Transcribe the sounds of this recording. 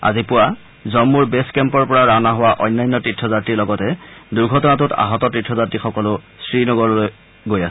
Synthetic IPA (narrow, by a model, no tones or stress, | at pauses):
a̰zipʊwa | zɔmːuɹbeskɛmpɔɹpɔɹaɹanaɦowaʔɔ̰jnːajnːɔtitʰɹɔzatɹiɹlɔɡɔtɛduɹɡʱɔtɔnatʊta̰ɦɔtɔtitʰɹɔzatɹixɔkɔlʊ | sɹinɔɡɔɹloj | ɡojasɛ